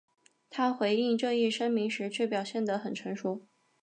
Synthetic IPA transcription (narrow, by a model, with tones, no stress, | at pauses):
t̪ʰa˥xwe˧˥ɪi˥˧ŋʈ͡ʂɤ˥˧ŋi˥˩ʂɤ˥ŋmi˧˥ŋʂɻ̩˧˥t͡ɕʰɥɛ˥˩pjɑ˨˩ʊɕjɛ˥˩nd̪ə˩xə˨˩nʈ͡ʂʰɤ˧˥ŋʂu˧˥